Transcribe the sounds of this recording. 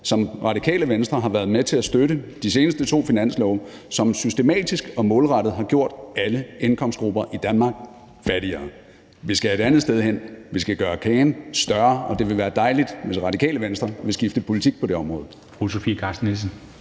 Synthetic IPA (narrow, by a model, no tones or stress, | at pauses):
sɒ̽mʁɑ̈d̥ikʰɛ̰ːləʋensd̥ʁɐɦɑ̈ʋæɐð̩ˠmet͡sʰe̝læsd̥øɾəd̥ise̝ːnəsd̥ət͡sʰo̝̰ːfinæn̰slɒʊ | sɒ̽msysd̥e̝mɛ̰ːd̥isɡ̥ɒ̽mɔ̽ːlʁɑɾ̥ð̩ˠɦɑ̈ɡ̥jo̝ɐ̰d̥æləenkʰɒ̽msd̥̚ɡ̥ʁub̥ɐʔid̥ænmɑ̈ːɡ̥̚ | fæɾiɐː | ʋisɡ̥æe̝ɾænð̞̩ˠsd̥eð̞ˠhen̰ʋisɡ̥æɡ̥ɶːɐkʰɛːnsd̥ɶɐɒ̽d̥e̝ʋe̝ʋæːɐd̥ɑ̈ɪlid̥ʋe̝sʁɑ̈d̥ikʰɛ̰ːləʋensd̥ʁɐʋe̝sɡ̥ifd̥əpʰo̝lit͡sʰiɡ̥̚pʰɒ̽d̥e̝ɒ̽mʁɔ̽ːð̩ˠ | fʁusofikʰɑsnels̬n̩